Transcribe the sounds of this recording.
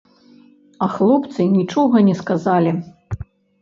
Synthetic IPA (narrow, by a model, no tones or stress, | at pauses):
ɐxlˠɔpt̪sɨnʲit͡ʂɔɣɐnʲɛskazalʲi